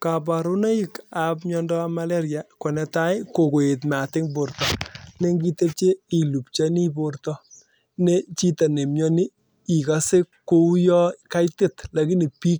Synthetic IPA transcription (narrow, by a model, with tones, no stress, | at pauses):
ka˨b̬a˨ɾu˦na˦i˦ka˨pɲɔ˦ndɔ˦ma˦lɛ˦ɾja˨kɔ˨nɛ˨ta˦jko˨ko˨e˨t̬ma˨tɪ˦ŋbo˨ɾtɔ˨ne˦ŋɡi˦te˦t͡ʃe˦i˨lu˨pt͡ʃa˦ni˦bo˦ɾtɔ˦ | ne˦t͡ʃi˦ta˨ne˨mɲɔ˦ni˦ | i˨ka˨se˦ko˦u˦jɔ˦ka˦jte˦˨tla˨ki˦ni˨pi˦k̚